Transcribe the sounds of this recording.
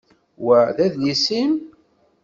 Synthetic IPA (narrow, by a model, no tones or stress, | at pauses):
wæðæðlisim